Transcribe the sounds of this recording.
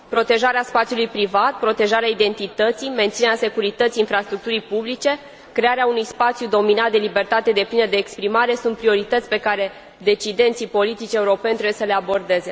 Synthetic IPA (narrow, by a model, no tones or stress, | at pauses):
pɾo̞t̪e̞ʒaɾeaspat̪sijulujpɾivat̪̚pɾo̞t̪e̞ʒaɾeaid̪e̞nt̪it̪ət̪sime̞nt̪sinɾease̞kuɾit̪ət̪siːnfɾast̪ɾuk̚t̪uɾijpublit͡ʃe̞ | kɾe̞aɾeaunujspat̪sjud̪o̞minat̪̚d̪elibe̞rt̪at̪e̞d̪e̞plinəd̪e̞ːkspɾimaɾe̞sunt̪̚pɾio̞ɾit̪ət̪sʲpe̞kaɾe̞ | d̪e̞t͡ʃid̪e̞nt̪sipo̞lit̪it͡ʃʲe̞uɾo̞pe̞nt̪ɾebjesəle̞abo̞rd̪e̞ze̞